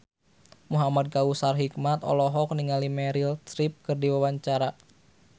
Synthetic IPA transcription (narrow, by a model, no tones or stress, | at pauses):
muɦamad̚kausarɦikmat̪ɔ̰lɔɦɔk̚niŋalimɛɾilt̪ɾip̚kɨrdiwawaɲt͡ʃaɾa